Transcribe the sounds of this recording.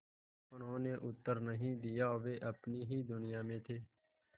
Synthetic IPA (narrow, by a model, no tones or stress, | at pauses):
ənõːneːʔʊt̪ːəɾnəɦĩːd̪ɪjaːɦoʋeːʔəpniːɦiːd̪ʊnɪjãːmẽːt̪ʰeː